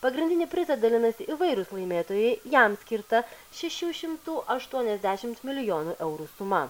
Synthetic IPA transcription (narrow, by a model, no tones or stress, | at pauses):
pɐɡɾʲɪnʲd̪ʲɪnʲɪːpʲɾʲɪsɐt̪̚d̪ɐlʲɪnɐsʲɪʔiʋɐɪɾʊslˠɐɪmʲeːt̪oːjɛɪjɛmsʲkʲɪɾt̪ɐ | ʃʲɛʃʲuːʃʲɪmt̪uːʔɐʃt̪uɔnʲɛzʲd̪ʲæʃʲɪmt̪mʲɪlʲɪjoːnuːʔɛʊɾuːsʊmɐ